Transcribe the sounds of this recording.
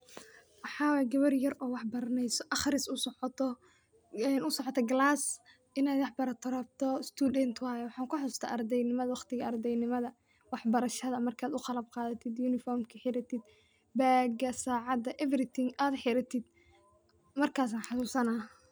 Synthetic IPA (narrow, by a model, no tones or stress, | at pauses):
wɑħɑːwɛɡɐβɐrjɐrɔːwɑħbɐɾɐnɛjsɔʔɑχrɪsʊsɔt̪ʰɔ | ɛnʊsɔʕɔt̪ʰɐɡlaːs | ɪnaːd̪wɑħbɐɾɐt̪ʰɔɾɐb̚t̪ʰɔst̪ʰuːd̪ɛnt̪ʰwaːjɔwɑħɑːŋkʰʊħʊst̪ʰa̰ːʔɐrd̪ɛjnɪmɐðɐwɑχt̪ɪɣɐɐrd̪ɛjnɪmɐðɐ | wɑħbɐɾɐʃɐðɐmɐrkʰaːd̪ʊqɑlɐb̚qɑːðɐt̪ʰɪd̪junɪfɔːrmkʰɐħɪɾɐt̪ʰɪd̪̚ | baːɡɐsaːʕɑd̪ɐʔɛvɾɪt̪ʰɪŋaːd̪ħɪɾɐt̪ʰɪd̪̚ | mɐrkʰaːs̬aːnħɑsuːsɐnaː